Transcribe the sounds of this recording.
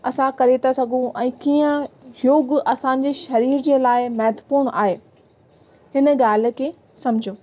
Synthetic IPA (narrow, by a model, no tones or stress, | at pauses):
ɐsãkɐɾet̪ʰasɐɡʱũʔɛ̃ːkiːə̃joːɡʔɐsãɲ̆d͡ʑeʃɐɾiːɾd͡ʑeːlaːɪmɐɦt̪puːɽ̃ʔa̰ːɦeː | ɦɪnə̆ɠaːl̤ɪ̆kʰeː | sɐ̃mɪd͡ʑʱijoː